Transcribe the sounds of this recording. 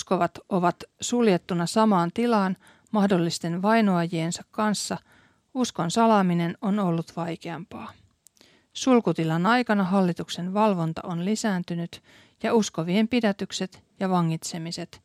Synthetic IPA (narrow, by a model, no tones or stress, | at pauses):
sko̞ʋɑt̪o̞ʋɑt̪suljet̪ːunɑsɑmɑːnt̪ilɑːn | mɑhdo̞lːist̪e̞nʋɑjnoɑjiensɑkːɑnsːɑ | usko̞nsɑlɑːmine̞no̞no̞lːut̪ʋɑjke̞ɑmpɑː | sulkut̪ilɑnɑjkɑnɑɦɑlːit̪ukse̞nʋɑlʋo̞nt̪ɑ̰ʔonlisæːnt̪ynyt̪ | jɑusko̞ʋiempidæt̪ykse̞t̪ | jɑʋɑŋːit̪se̞mise̞t̪